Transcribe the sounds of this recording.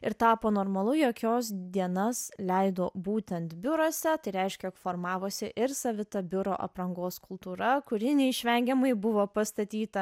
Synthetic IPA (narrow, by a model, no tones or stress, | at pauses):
ɪɾt̪ɑːpoːnoːɾmɐlˠʊjoːkʲoːsd̪ʲiɛnɐslʲɛɪd̪oːbuːt̪ʲɛnt̪bʲʊɾoːsʲɛt̪ɐɪɾʲɛɪʃʲkʲɛkfoːɾmɑːʋoːsʲɪʔɪɾsɐʋʲɪt̪ɐbʲʊɾo̰ːʔɐ̰pɾɐŋɡoːskʊlˠt̪uːɾɐkʊɾʲɪnʲɛɪʃʲʋʲɛŋʲɡʲɛmɐɪbʊʋoːpɐst̪ɐt̪ʲiːt̪ɐ